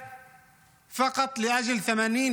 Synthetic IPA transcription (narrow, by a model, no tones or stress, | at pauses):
fɑqɑt̪ˤlɪʔad͡ʒalθamaːniːn